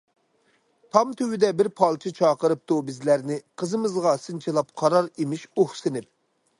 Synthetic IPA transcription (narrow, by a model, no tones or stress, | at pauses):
t̪ʰɑmt̪ʰøwɪd̪ɛbɪɾpʰɑlˠt͡ʃʰit͡ʃʰɑːqəɾɨp̚t̪ubɪzlæɾnɪqʰəzɨmɨzʁɑsɨnt͡ʃʰilˠɑp̚qʰɑɾɑɾimɪʃoχsɪnɪp̚